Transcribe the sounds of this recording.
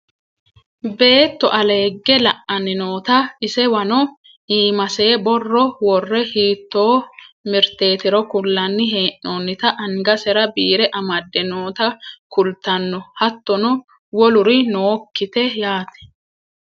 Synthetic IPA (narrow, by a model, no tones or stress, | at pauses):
be̞ːt̪ːɔʔɐle̞ːɡːɛlɐʔɐnɪnoːt̪ɐʔɪsɛwɐnɔ | ʔiːmɐse̞ːbɔrːɔwɔrːɛhiːt̪ːo̞ːmɪɾt̪e̞ːt̪ɪɾɔkʊlːɐnːɪɦe̞ːʔoːnːɪt̪ɐʔɐŋɡɐsɛɾɐbiːɾɛʔɐmɐd̪ːɪnoːt̪ɐkʊlt̪ɐnːɔhɐt̪ːɔnɔ | wɔlʊɾɪnoːkːɪt̪ɛjaːt̪ɛ̥